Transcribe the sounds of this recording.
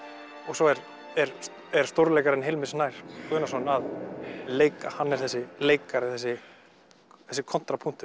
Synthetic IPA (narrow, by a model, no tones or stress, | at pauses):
ɔɣsɔɛɾ | ɛɾ | ɛɾ̥st̪owɾleːjkaɾɛnɦejlmɪsnaːjɾ̥kʰvœːnasɔnaðleːjkahanːɛɾ̥θɛsːɪleːjkaɾɪθɛsːɪ | θɛsːɪkʰɔn̥t̪ɾapʰun̥t̪ʏ